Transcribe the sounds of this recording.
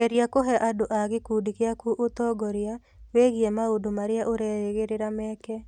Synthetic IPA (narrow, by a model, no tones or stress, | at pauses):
kɛɾjakoɦɛʔadoʔaɣɪkudikeakuʔot̪ɔɡɔɾɪa | weɣijemaodomaɾɪaʔoɾɛɪɣɪɾɪɾamɛkɛ